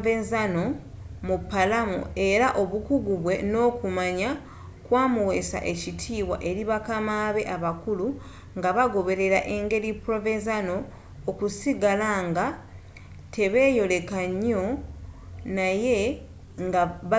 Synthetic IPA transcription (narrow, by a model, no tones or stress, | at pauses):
vezano̞ | mupːalamo̰e̞ɾaʔo̞βukuɡuβwe̞no̞ːkumaɲa | kwaːmuwe̞sa̰ʔe̞citʰiːwa̰ʔe̞ɾiβakamaβe̞ʔaβakulu | ŋɡaβaɡo̞βe̞ɾe̞ɾaʔe̞ŋɡe̞ɾipɾovenzano̞ː | kusiɡalaŋɡa | tʰeβeːjo̞le̞kaɲo̞ | naje̞ | ŋɡaβ